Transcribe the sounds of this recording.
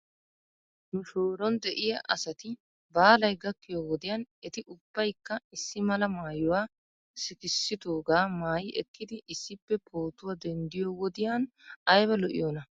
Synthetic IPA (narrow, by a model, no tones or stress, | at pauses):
nʊʃoːɾɔnd̪ɛʔɪjɐʔɐ̰sɐt̪ɪ | baːlɐjɡɐkːɪjoːwɔd̪ɪjaːnɛt̪ɪʔʊb̥ːɐjkːɐɪsːɪmɐlɐmaːjɔwaː | sɪkɪsːɪd̪oːɡaːmaːjɪʔɛkːɪd̪ɪʔɪsːɪpːɛpʰoːt̪ʊwad̪ɛnd̪ɪjoːwɔd̪ɪjaːn | ɐjbɐlɔʔɪ̰joːnɐ